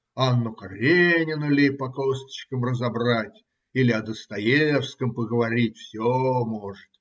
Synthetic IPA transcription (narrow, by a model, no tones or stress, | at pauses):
anːʊkɐɾʲenʲɪnʊlʲɪpɐkost̪ə̥t͡ɕkəmrəzɐbratʲ | ilʲɪɐd̪əst̪ɐjefskəmpəɡəvɐɾʲitʲfsʲomo̞ʐɨt̪̚